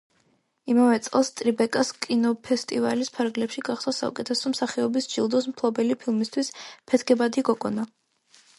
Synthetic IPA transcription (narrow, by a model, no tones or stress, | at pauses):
imavɛt̪sʼqɛlˠst̪ʼɾibɛkʼaskʼinɔpʰɛst̪ʼiva̰lispʰaɾɡlɛpʃiɡaχsasa̰ṵkʼɛt̪ʰɛsɔmsaχiɔbisd͡ʒilˠd̪ɔs̬mpʰlˠɔbɛlipʰilˠmist̪ʰwispʰɛt̪ʰɡɛbad̪iɡɔkʼɔna